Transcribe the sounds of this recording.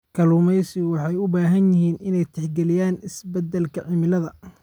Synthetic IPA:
kʰɐlʊmɛjsɪwɑħɑjʊbaːɦɐnjɪɦiːnɪnɛjt̪ʰɛħɡɛlɪjaːnɪsbɛd̪ːɛlkʰɐʕɪmɪlɐðɐ

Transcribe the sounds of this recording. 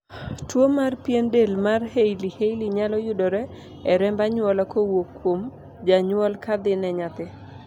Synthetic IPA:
twomarpjendelmarhejlihejliɲalɔjʊdɔɾɛ | ɛɾɛmbaɲwɔlakowokːwom | d͡ʒaɲwɔlkad̪ɪnɛɲat̪ɪ

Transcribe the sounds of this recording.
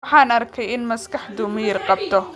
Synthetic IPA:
ħɑːnɐrkʰɛjɪnmɐskɑħd̪ʊmɐjɪrqɑb̚t̪ʰɔ

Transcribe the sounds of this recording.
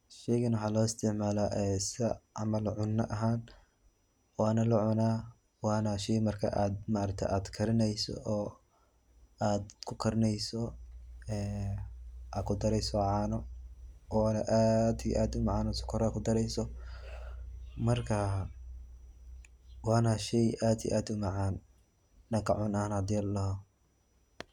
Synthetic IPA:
ʃɛjɣɐnwʊħaːlɔːɪst̪ʰɪʕmaːlaʔɛːsɐʕɑmɐlʕʊnːɐʔɐɦaːn | wɑːnɐlɐʕʊnaː | wɑːnɐʃɛjmɐrkʰɐʔaːd̪̚maɾɐk̚t̪ʰɛ̰ʔaːd̪kʰɐɾɪnɛjsɔ̰ʔɔː | aːd̪kʰʊkʰɐɾɪnɛjsɔ | ɛː | akʰʊd̪ɐɾɛjsɔʕaːnɔʔɔːnɐʔaːd̪ij̰ʔaːd̪ʊmɑʕaːnɔsʊ̥kʰɔɾːkʰʊd̪ɐɾɛjsɔ | mɐrkʰɐ | wɑːnɐʃɛjʔaːd̪ḭj̰ʔaːd̪ʊmɐʕaːn | nɐkʰɐ̰ʕʊnɐhnaːd̪jɐllɐɦɔ

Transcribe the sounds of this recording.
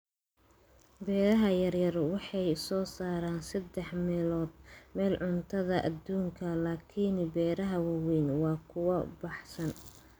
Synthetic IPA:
bɛːɾɐɦɐjɐrjɐrwɑħɑjsɔːsaːɾaːnsɐd̪ɛħmɛːlɔːd̪̚mɛːlʕʊnt̪ʰɐðɐʔɐd̪uːŋkʰɐlaːkʰinbɛːɾɐɦɐwɑwɛjnwɑːkʰʊwɐbɑħsɐn

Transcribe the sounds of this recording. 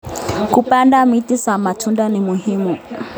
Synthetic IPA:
kupandamitisamatʰundanimuhimu

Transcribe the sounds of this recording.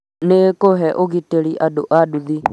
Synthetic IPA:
nekoɦɛʔoɣiteɾiʔado̰ʔaduði

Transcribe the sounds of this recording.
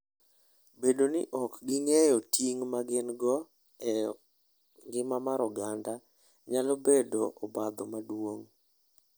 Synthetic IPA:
bedonɪʔɔkɡɪŋɛjɔtʰiŋmaɡɪnɡɔ | ɛ | ɡɪmamaɾɔɡanda | ɲalɔbedoʔɔbad̪ɔmadwoŋ

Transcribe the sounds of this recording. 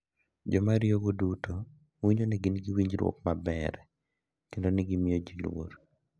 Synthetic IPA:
d͡ʒɔmaɾjoɡodutʰo | wiɲoniɡɪnɡiwiɲd͡ʒɾwɔ̰kmabɛɾɛ | kendoniɡimijod͡ʒilwo̰ɾ

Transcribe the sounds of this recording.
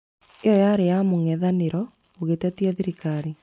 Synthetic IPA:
ejɔjaɾejamoŋɛðaneɾɔ | oɣetɛtiɛðiɾikaɾi

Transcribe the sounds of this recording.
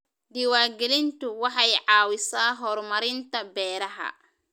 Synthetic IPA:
d̪iwaːɡɛlɪnt̪ʊwɑħɑjʕɑːwɪsaːɦɔrmɐɾɪnt̪ʰɐbɛːɾɐɦɐ̰

